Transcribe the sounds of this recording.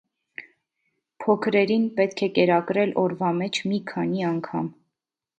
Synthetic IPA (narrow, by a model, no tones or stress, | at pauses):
pʰɔkʰɾɛɾinpɛt̪kʰɛkɛɾɑkɾɛlɔɾvɑmɛt͡ʃʰmikʰɑniɑŋkʰɑ̰m